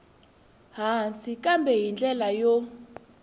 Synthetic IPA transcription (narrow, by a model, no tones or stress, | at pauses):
ɦansikʼambʱɛjind͡ɮɛlajo